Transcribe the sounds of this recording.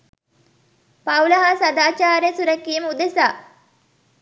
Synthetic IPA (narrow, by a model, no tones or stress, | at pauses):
pɐwlɐɦaːsɐd̪aːt͡ʃaːɾesuɾɐkːiːməud̪esaː